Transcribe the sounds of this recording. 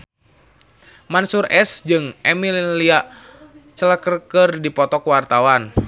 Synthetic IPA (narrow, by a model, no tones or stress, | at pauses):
mansurɛsd͡ʒɨŋʔɛmililia | t͡ʃələkərkərdipɔt̪ɔkəwart̪awan